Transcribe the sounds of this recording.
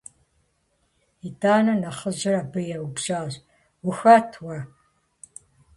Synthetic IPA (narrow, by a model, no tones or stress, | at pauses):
idaːnɐnɐχəʑɪrabɨjɛwbʒaːʑ | wʊxɐtʰwɐ